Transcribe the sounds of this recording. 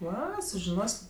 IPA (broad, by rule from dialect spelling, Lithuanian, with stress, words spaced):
ˈʋɐ sʊʒʲɪˈnoːsʲ